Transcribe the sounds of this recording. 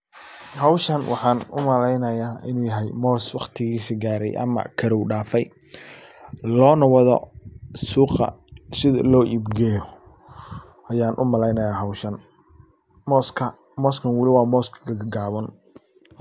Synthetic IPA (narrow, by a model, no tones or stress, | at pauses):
hɐwʃɐnwʔɑħɑːnʊ̰mɐlɛjnɐjaːɪnuːjɐɦɛjmɔːswɑqt̪ʰɪɣiːsiɡaːɾɛ̰jʔɐ̰mɐ̰kʰɐɾɔwɖaːfɛj | lɔːnɐwɐðɔ̰suːqɐ̰sɪðɐ̰lɔːʔibɡɛːjɔ | ʔɐjaːnʔʊ̰mɐlɛjnɐjaːɦɐwʃɐn | mɔːskʰɐ | mɔːskʰɐnwɪlɪwɑːmɔːskʰɐ̥ɡɐɡɐɡaːβɐn